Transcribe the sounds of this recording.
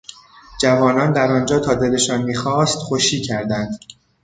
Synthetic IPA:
d͡ʒævɒːnɒːnd̪æɾɒnd͡ʒɒːt̪ʰɒːd̪e̞le̞ʃɒːnmiːxɒːst̪xoʃiːcʰæɾd̪ænd̪

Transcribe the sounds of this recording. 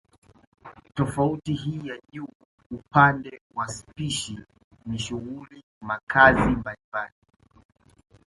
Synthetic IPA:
tɔfautiɦiːjaʄuː | upandɛwaspiʃi | niʃuɣuli | makʰazimbalimbali

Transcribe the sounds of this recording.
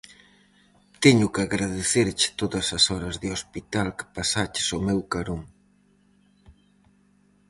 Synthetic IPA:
t̪ɛɲʊkɪaɣɾaðeθeɾt͡ʃɪ̥t̪oðɐsɐsɔɾɐzðɪospit̪alkɪ̥pasat͡ʃɪ̥somewkaɾoŋ

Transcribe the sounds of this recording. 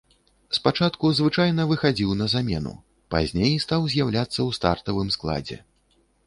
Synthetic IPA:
spat͡ʂat̪kuzvɨt͡ʂajnɐvɨxad͡zʲiwnɐzamʲɛnṵ | pa̰zʲnʲejst̪awzʲjawlʲat̪sːɐwst̪a̰rt̪ɐvɨmsklˠa̰d͡zʲɛ̰

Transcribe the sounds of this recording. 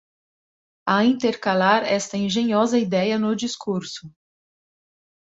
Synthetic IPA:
ɐĩnt̪eɾkalaɾɛst̪ɐẽʒẽɲɔzɐid̪ɛjɐnʊd͡ʒiskuɾsʊ̥

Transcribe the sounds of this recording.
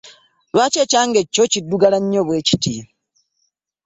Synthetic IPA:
βwaːt͡ʃeːcaːŋɡecːocidːuɡalaɲːoːβwe̞ːci̥ti

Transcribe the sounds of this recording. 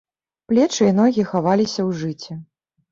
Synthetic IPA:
plʲɛt͡ʂɨin̪ɔɣʲixavalʲisʲɐwʐɨt͡sʲɛ

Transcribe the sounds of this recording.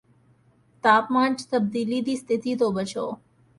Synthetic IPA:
t̪aːpmãɳd͡ʒt̪əb̚d̪iːlid̪iːst̪ʰɪt̪it̪obət͡ʃo̰ː

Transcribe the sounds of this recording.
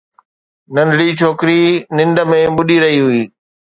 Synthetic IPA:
nɐ̃ndɽit͡ʃʰoːkɾinɪ̃nd̪əmẽɓʊɗiɾɐɦiɦʊiː

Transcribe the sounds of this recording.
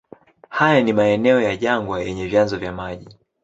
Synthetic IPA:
hajanimaɛnɛɔjaʄaŋɡwajɛɲɛvjanzɔvjamaʄi

